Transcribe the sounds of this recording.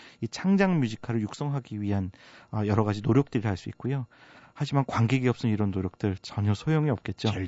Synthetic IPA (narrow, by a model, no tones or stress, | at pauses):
it͡ɕʰaŋd͡ʑaŋmjud͡ʑikʰaɾɯɭjuk̚s͈ʌŋɦaɡiɥiɦanʌjʌɾʌɣad͡ʑinoɾjʌk̚t͈ɯɾiɭɦaɭs͈uit̚k͈ujohad͡ʑimankwaŋɡeɡiʌp̚s͈ɯniɾʌnːoɾjʌk̚t͈ɯɭt͡ɕʌɲʌsʰojoŋiʌp̚k͈e̞t̚t͡ɕ͈o